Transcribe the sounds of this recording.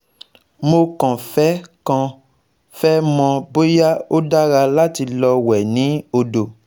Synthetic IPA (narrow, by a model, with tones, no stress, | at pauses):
mo˧kɔ̃˨fɛ˦kã˦ | fɛ˦mɔ̃˧bo˦ja˦o˦da˦ɾa˧la˦ti˧lɔ˧wɛ˨nĩ˨˦o˧do˨